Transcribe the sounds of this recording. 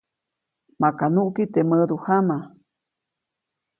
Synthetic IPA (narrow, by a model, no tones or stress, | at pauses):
mãkanũʔkit̪eməduhama